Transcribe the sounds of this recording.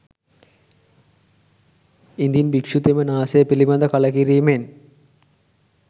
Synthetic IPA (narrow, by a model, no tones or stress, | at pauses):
ind̪ijinbikʂut̪emɐnaːsɐjɐpilibɐnd̪ɐkɐlɐkiɾiːmen